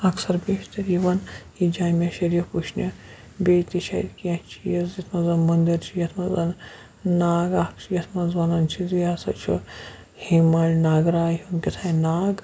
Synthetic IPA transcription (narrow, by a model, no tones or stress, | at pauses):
ɐksɐɾbeːʃt̪ɐɾiʋɐnhid͡ʒaːmʲɐʃɐɾipuʃnʲɐ | bʲeːt̪iʃɐḭd̪kiɐ̃t͡ʃʰijɐzit̪ʰmɐzɐnmɐnd̪iɾt͡ʃʰijɐt̪ʰmɐzɐn | naːɡaːkt͡ʃʰijɐt̪ʰmɐzʋɐnɐnt͡ʃʰiziasɐt͡ʃʰṵ | himɐlʲnaːɡɾaːiɐnkʲit̪ʰaːjnaːɡ